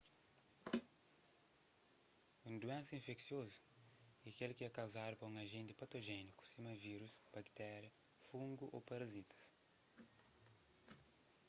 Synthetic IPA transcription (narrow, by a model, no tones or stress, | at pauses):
ũnd̪uɛ̃nsɐĩfeksiozu̥ | iɐkelkɪɛkawzaɾʊpɐũŋɐʒẽnt̪ɪ̥pɐt̪oʒɛniku̥simɐviɾusb̥ɐkt̪ɛɾjɐ | fũŋɡuʔopɐɾɐzit̪ɐ̥s